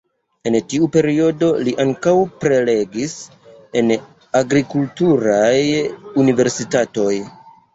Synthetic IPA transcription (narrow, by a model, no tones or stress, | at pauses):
e̞ntiupe̞ɾio̞do̞liʔaŋkawpɾe̞le̞ɡis | e̞n | aɡɾikultuɾajunive̞ɾsitato̞j